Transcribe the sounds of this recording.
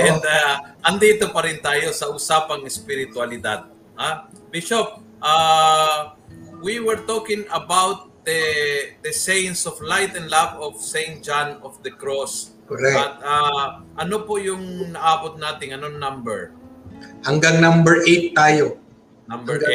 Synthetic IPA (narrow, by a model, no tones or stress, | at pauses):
ʔɛnaʔɐnd̪iːt̪opɐɾɪnt̪aːjo̞sɐʔʊsaːpɐŋɪspɪɾɪt̪wɐlɪd̪ad̪̚ | habɪʃop̚ʔa | wiwɛɹt̪oːkɪŋɐbawt̪̚d̪ɐd̪ɐsɛjnsɔflajt̪ɛnlavɔfsẽjnt̪̚d͡ʒanɔfd̪ɐkɹos | koɾɛɐt̪̚a | ʔɐnopojʊŋnɐʔaːbot̪̚naːt̪ɪŋɐnoŋnɐmbɛɹ | hɐŋɡaŋnambɛɹʔejt̪ːaːjo | nambɛɹ